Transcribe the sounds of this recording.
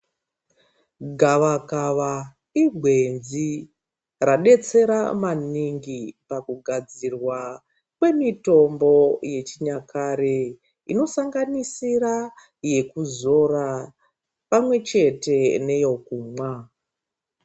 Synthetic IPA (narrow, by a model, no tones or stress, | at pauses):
ɡʱaʋakaʋa | iɡʱwe̞nzi | raɗe̞t͡se̞ɾamaniŋɡipakuɡʱad͡zirwa | kwe̞mito̞mbo̞je̞t͡ʃiɲakʰaɾe | ino̞saŋɡanisira | je̞kuzo̞ra | pamwe̞t͡ʃe̞te̞ne̞jo̞kumwa